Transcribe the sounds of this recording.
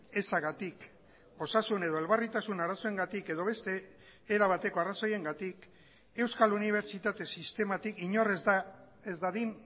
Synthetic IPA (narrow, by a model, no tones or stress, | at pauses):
e̞saɣat̪ik | o̞sasune̞ðo̞e̞lβarit̪asunaɾaso̞eŋɡat̪ike̞ðo̞βe̞st̪e̞ː | ɾaβat̪e̞ko̞araso̞je̞ŋɡat̪ik | e̞wskaluniβ̞e̞ɾt͡ʃit̪at̪e̞sist̪e̞mat̪ikiɲo̞re | ezd̪aðin